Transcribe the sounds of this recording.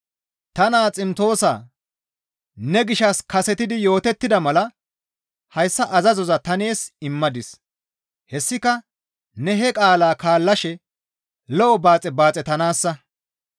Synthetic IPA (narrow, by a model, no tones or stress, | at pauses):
t̪ɐnaːt͡sʼɪmt̪o̞ːsa̰ː | nɛɡɪʃɐskɐsɛt̪ɪd̪ɪjo̞ːt̪ɛt̪ːɪd̪ɐmɐlɐ | hɐjsːɐʔɐzɐzɔzɐt̪ɐne̞ːsɪmːɐd̪ɪs | hɛsːɪkɐ | nɛɦɛkʼaːlaːkaːlːɐʃɛ | lɔʔɔbaːt͡sʼɛbaːt͡sʼɛt̪ɐnaːsːɐ